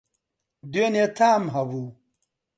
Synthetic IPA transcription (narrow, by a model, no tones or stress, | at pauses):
d̪enet̪ʰaːmɦɐwu